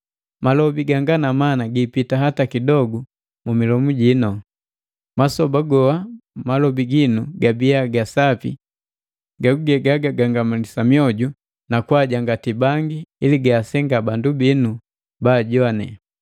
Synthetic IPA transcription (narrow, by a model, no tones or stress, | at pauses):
malɔbiɡaŋɡanamanaɡipitaɦatakidɔɡu | mumilɔmuɟinɔ | masɔbaɡɔamalɔbiɡinuɡabiaɡasapḭ | ɡakuɡɛɡaɡaɡaŋɡamulisamiɔɟu | nakwaɟaŋɡatibaŋɡiiliɡaːsɛŋɡabandubinu | baːɟɔanɛ̰